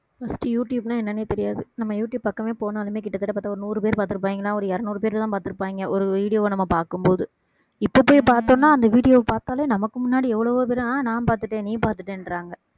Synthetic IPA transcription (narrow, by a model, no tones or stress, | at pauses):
fɐsʈɯjuːʈjuːbnãːɛnːɐneːt̪ɛɾɪjaːðɯnɐmːɐjuːʈjuːbpɐkːɐʋeːpoːnaːlɯmeːk̬ɪʈːɐt̪ɐʈːɐpːaːt̪aːɔɾɯnuːɾɯpeːɾpaːɾt̪ːɯɾɯp̬ːaːʋiːŋɡɐlãːɔɾɯɛɾɐnuːɾɯp̬eːɾɪlt̪ãːpaːɾt̪ɪɯɾɯpːaːʋiŋɡɐʔɔɾɯʋiːɽɪjoːnɐmːɐpaːɾkɯmpoːðɯ | ɪpːɐpːoːjipaːɾt̪õːnːaːɐnd̪ɐʋiːɽɪjoːpaːɾt̪aːleːnɐmɐkːɯmʊnːaːɽiɛʋːɐɭɐʋoːp̬eːɾɐ̃aːnãːnpaːɾt̪ɯʈːẽːnĩːpaːɾt̪ɯʈːẽːnɾaːŋɡɐ